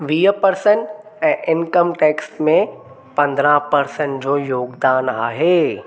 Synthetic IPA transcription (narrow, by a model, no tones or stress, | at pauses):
ʋijəpəɾsən | ɛ̃ːʔɪnkəmʈeːksʈmẽ | pɐ̃nd̪ɾãpɐɾsə̃ɳd͡ʑoːjoːɡd̪aːnaːɦeː